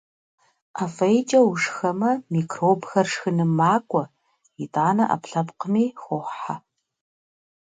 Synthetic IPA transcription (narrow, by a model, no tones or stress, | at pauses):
ʔafɐjt͡ʃʼɐwʊʂxɐmɐmiːkʰroːbxɐrʂxɨnɨmːaːkʷʼɔ | itʼaːnɐʔɐ̰pɬɐpqəmiːxʷʊħa